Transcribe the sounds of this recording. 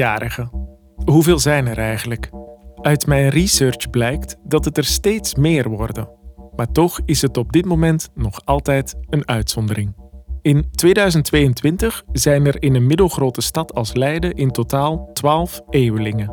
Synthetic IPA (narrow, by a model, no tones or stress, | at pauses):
jaːɾəχə | ɦuveːlˠzɛjnɛɾɛjχənləkœɥtmɛjnrisøɹt͡ʃblɛjktdɑtətɛrsteːtsmɪːrʋɔrdəmaːɹtɔχɪsɦətɔb̚dɪtmomɛntnɔχɑlˠtɛjtənœɥtsɔndərɪŋɪntʋeːdœɥzəntʋeːjəntʋɪntəχzɛjnɛrɪnənmɪdəlˠχroːtəstɑtʰɑlˠslɛjdəʔɪntotaːlˠtʋaːlˠfʔeːʋəlɪŋə